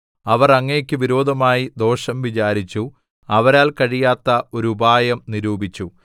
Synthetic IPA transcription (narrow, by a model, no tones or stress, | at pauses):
ɐʋɐrɐŋːekʲːɨʋiɾo̞ːd̪ʱɐmaːjid̪o̞ːʂɐmʋit͡ɕaːɾit͡ɕːu | ɐʋɐɾaːlkɐɻijaːt̪ːɐoɾubʱaːjɐmniɾuːbʱit͡ɕːu